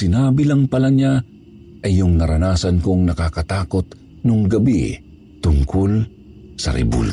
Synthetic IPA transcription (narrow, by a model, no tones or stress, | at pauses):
sɪnaːbɪlaŋpɐlaɲa | ʔɐjjːʊŋnɐɾɐnaːsɐnkoŋnɐkakɐt̪aːkot̪ | nʊŋɡɐbḭ | t̪ʊŋkol | sɐ̰ɾɛ̰bṵl